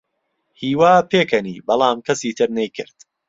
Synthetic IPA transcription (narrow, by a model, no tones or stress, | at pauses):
hiːwaːpʰeːkʰɐnḭːbɑlˠaːmkʰɐsiːt̪ʰɨɾnɐjkʰɨ̰ɾd̪̥